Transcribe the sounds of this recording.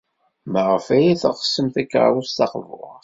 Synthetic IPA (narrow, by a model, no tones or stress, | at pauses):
məʁəfæjæθə̰χə̥sːəmθækːʕwust̪ɑqvʊ̰